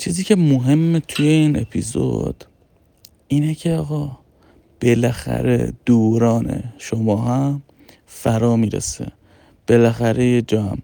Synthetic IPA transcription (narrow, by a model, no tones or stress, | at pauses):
t͡ʃʰiːziːcʰe̞moɦe̞mːet̪ʰujeiːne̞̰pʰḭzo̰d̪̥ | iːnecʰe̞ɒːɣɒ | b̥e̞læxæ̰ɾed̪̥oːɾɒːnḛʃomɒːɦæm | fæɾɒːmiːɾḛsḛ | b̥elæxæɾe̞jed͡ʒɒːhæ̰m